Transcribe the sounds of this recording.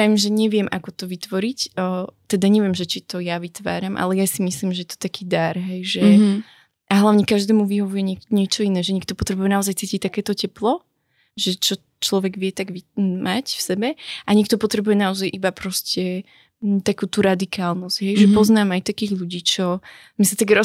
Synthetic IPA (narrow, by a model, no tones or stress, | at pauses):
aʋimʒɛɲɛʋɪɛmʔakɔt̪ɔʋit̪ʋɔɾicːt̪ɛd̪aɲɛʋɪɛmʒɛt͡ʃit̪ɔjaʋit̪ʋa̰ːɾamʔa̰lɛjasimislimʒɛjɛt̪ɔ̥t̪akiːd̪aɾɦɛjʒɛ | ʔaɦlaʊɲɛkaʒd̪ɛːmuʋiɦɔʋujɛɲɛɲɪɛt͡ʃɔinɛːʒɛɲɛk̚t̪ɔpɔt̪ɾɛbujɛnaɔzajt͡siːcic̚t̪akɛːt̪ɔcɛplɔ | ʒɛt͡ʃɔ | t͡ʃlɔʋɛɡʋɪɛt̪aɡʋimacfsɛbɛʔaɲɛkt̪ɔpɔt̪ɾɛbujɛnaɔzajʔibapɾɔscɛ | t̪akuːt̪uɾad̪ikʰaːlˠnɔzɟ̥ɦɛjʒɛppɔznaːmajt̪akiːɣʎuɟiːt͡ʃɔ | misat̪aɡɾɔ